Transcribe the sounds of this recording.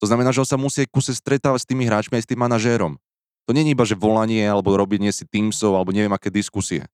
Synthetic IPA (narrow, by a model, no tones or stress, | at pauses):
t̪ɔznamɛnaːʒɛɔnsamusiajkusɛst̪ɾɛt̪aːʋacst̪iːmiɦɾaːt͡ʃmiajst̪iːmːanaʒɛːɾɔm | t̪ɔɲɛɲiibaʒɛʋɔlaɲɪɛalɛbɔɾɔbiɲɪɛsit̪iːmsɔʊalɛbɔɲɛʋɪɛmakɛːd̪iskusiɛ̰